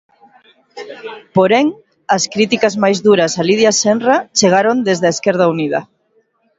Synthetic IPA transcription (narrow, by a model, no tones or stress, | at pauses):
poɾɛŋ | ɐskɾit̪ikazmajzðuɾɐsaliðjasenrat͡ʃeɣaɾond̪ezðaeskɛɾð̞auniðɐ̰